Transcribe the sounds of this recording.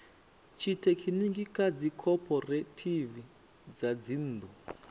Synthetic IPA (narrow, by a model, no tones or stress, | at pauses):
t͡ʃʰitekʰiniŋɡikad͡zikʰɔpʰɔretʰivi | d͡zad͡zin̩ːd̪u